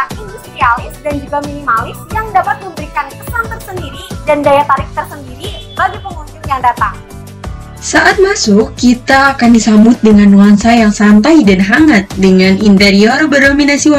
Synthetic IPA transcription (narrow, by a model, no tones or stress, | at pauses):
akinisiɾialɪsdand͡ʒuɡaminimalɪsjaŋdapat̪̚məmbəɾikankəsaŋt̪ərsəndiɾidandajat̪aɾɪk̚t̪ərsəndiɾibaɡipəŋunt̪ʊnjaŋdat̪aŋ | saʔat̪̚masʊkkit̪aːkandisambʊt̪̚dəŋanwaŋsajaŋsamp̪ajdanɦaŋat̪̚dəŋanint̪eɾiɔrbərdominasi